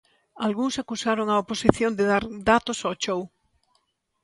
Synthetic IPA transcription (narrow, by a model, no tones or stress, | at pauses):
alɣuŋsakusaɾoŋaoposiθjond̪eðaɾd̪at̪osat͡ʃow